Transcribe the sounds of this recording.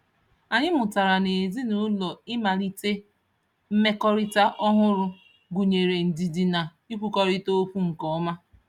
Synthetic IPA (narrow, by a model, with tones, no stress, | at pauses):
a˨ɲɪ˦mʊ˨ta˨ɾa˨ne˨zi˦nu˦lɔ˨ɪ˦ma˨ɾi˦te˦ | m̩˦me˦kɔ˦ɾi˦ta˦ʔɔ˦ɦʊ˦ɾʊ˦ | ɡu˨ɲe˨ɾe˨n̩˨di˨di˨na˨ | i˦kʷu˦kɔ˦ɾi˦to˦o˦fu˦ŋ̩˨kɔ˨˦ma˦